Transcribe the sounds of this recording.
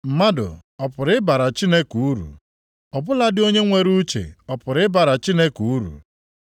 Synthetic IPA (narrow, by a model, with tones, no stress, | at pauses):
m̩˨ma˦dʊ̰˨ɔ˨pʊ˨ɾɪ˦ba˨ɾa˨t͡ʃi˦ne˦ku˨u˦ɾṵ˨ | ɔ˨bʊ˦la˦dɪ˦o˦ɲe˦ŋʷe˦ɾu˦t͡ʃḛ˨ɔ˨pʊ˨ɾɪ˦ba˨ɾa˨t͡ʃi˦ne˦ku˨u˦ɾṵ˨